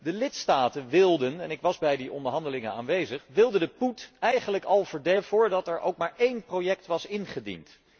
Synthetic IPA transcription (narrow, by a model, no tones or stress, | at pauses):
dəlɪtstaːtənʋɪlˠdənɛnɪkʋɑzbɛjdiʔɔ̰ndəɹɦɑndəlɪŋəna̰ːnʋejzəχʋɪlˠdəndəputɛjχənləkɑlˠvəɹdev̥ʊːɹdɑtɛɹʔo̰wk̚maːɹʔejnprowjɛktʋɑsɪnχədḭnt